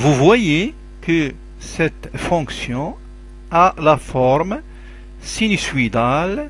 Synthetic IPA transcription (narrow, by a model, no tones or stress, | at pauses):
vuvwaje | kə | sɛt̪fɔ̃ksjɔ̃ | alafɔɾm | sinisɥid̪al